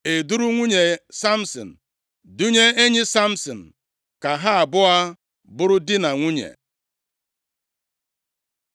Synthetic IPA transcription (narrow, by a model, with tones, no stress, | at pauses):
e˨du˦ɾu˦ŋʷu˦ɲe˨sa˦m̩˦sɔ̰˨n̩˨ | du˦ɲe˦e˦ɲɪ˦sa˦m̩˦sɔ˨n̩˨ | ka˨ɦa˦a˨bʊ˦a˦ | bʊ˦ɾʊ˦dɪ˦na˨ŋʷu˦ɲḛ˨